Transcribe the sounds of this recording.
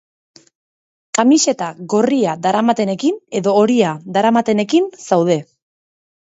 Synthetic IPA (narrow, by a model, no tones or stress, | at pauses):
kamiʃe̞t̪aɣo̞riad̪aɾamat̪e̞ne̞kine̞ðo̞ːɾiaðaɾamat̪e̞ne̞kinsawðe̞